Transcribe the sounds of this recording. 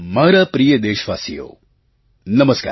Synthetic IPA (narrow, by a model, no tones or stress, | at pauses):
maːɾapɾijəd̪eːʃʋaːsijo̰ː | nɐməska̰ː